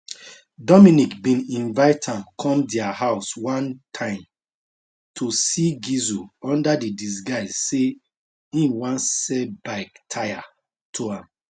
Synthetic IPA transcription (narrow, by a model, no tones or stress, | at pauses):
dɔmĩnikbĩnĩnvaɪtʰãmkʰɔ̃mdɛahaʊswãntʰãɪ̃m | tʰosiɡizuɔ̃ndadidis̬ɡaɪsse | ĩnwãnsɛbaɪktʰaɪa | tʰoãm